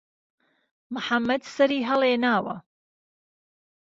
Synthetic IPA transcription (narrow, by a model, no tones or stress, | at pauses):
mʊħamːɐd̪sɐɾiːɦɐleːnaːwɐ̰